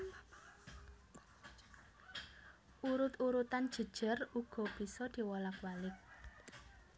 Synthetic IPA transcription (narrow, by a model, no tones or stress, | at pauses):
ʔuɾʊt̪uɾut̪and̥ʒ̥ə̤d̥ʒ̥ə̤ruɡ̥ɔ̤b̥i̤sɔd̪̥i̤wɔlakwalɪk̚